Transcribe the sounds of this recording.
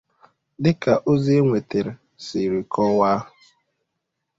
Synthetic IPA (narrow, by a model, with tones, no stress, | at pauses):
dɪ˦ka˨ʔo˦zi˦e˦ŋʷe˨te˨ɾɪ˨ | sɪ˨ɾi˨kʰɔ˦waː˦ɦʊ˨